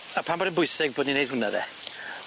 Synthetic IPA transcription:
apʰambɔdənbʊɨsɪɡ̚boːdninejd̥̚ʊnaðɛ̰

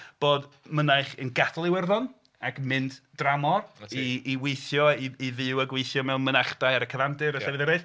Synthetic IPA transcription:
b̥oːdmənajχənɡaθʰlˠɪwɛrðɔn | aɡmɨndd̥ramɔriːwejθjɔiiðɨwəɡwejθjɔmɛwmənaχd̥ajaɾəkʰəvandɨɾəɛvɨðɛɾejθ

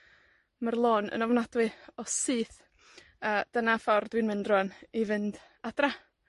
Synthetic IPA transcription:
marlˠoːnə̰nɔvnadwɨɔsɨːθ | əːd̥ənafɔrdwinmɪndrɔnivɨnd | ad̥ra

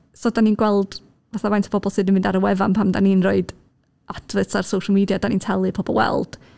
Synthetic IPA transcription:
sɔːdaniːnɡwɛlˠd̥ | vaθavajntʰə̥pʰɔbɔlˠsɨdəmɪ̃ndaɾəwɛvanpʰamdaniːnroɨd | advɨsarsowʃəlˠmiːdjadaniːntʰɛlˠɨpʰɔbɔ̰lˠwɛ̰lˠd̥

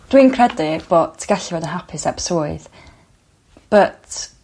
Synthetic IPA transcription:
d̥wiːnkʰrɛdɪb̥oːtʰɡ̥aɬivoːdənɦapʰɪsɛpsuːɨð | b̥ət

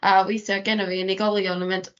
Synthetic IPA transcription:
ʔawejθjɔɡɛnɔviəniɡɔlˠjɔnəmɪnd̥

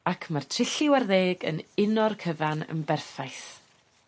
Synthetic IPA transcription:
akʰmartʰrɪɬɪwarðeːɡə̰nɪnɔrkʰəvanə̰nbɛrfajθ

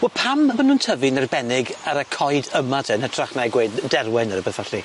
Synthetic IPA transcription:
wɛlpʰambənuːntʰəvɨnərbɛnɪɡaɾəkʰɔjdəmadʰɛnhətʰraχnajɡweːddɛrwɛnəɾəbəθɔɬi

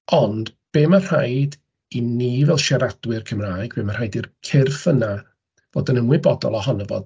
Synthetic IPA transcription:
ɔnd̥b̥eːmar̥ajd | inivɛlˠʃɛɾadwɨrkʰəmraːjɡbeːmar̥hajdirkʰɪrfəna | v̥o̰ːdənəmwɪbɔdɔ̰lˠɔɦɔnəvɔ̰d̥

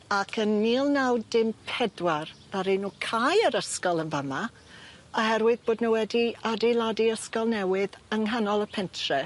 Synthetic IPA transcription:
akʰənːiːlˠnawdɪmpʰɛdwarðaɾejnuːkʰajəɾəskɔlˠənvəma | ɔhɦɛɾwɨðboːdnuwɛdiadilˠadiəskɔlˠnɛwɪðəŋɦanɔlˠəpʰɛntʰrɛ

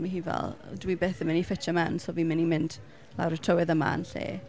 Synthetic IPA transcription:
maɦiːvɛ̰lˠdwibeːθəmɪnifɪt͡ʃʰəmansoviːmɪnimɪnd̥ | la̰wɾətʰowɪðəma̰nɬḛː

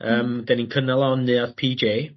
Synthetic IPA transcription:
əːmd̥ɛninkʰənɛlˠɔnːɨaðpʰiːd͡ʒeː

